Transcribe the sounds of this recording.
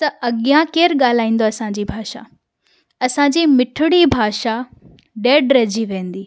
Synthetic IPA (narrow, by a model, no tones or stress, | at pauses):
t̪ɐɐɠijãkeːɾɠaːl̤aːĩːn̆d̪oɐsãɲ̆d͡ʑiːbʱaːʃa̰ | ɐsãɲd͡ʑiːmɪʈʰʊɽibʱaːʃa | ɖeːɖɾɐd͡ʑiʋẽːnd̪iː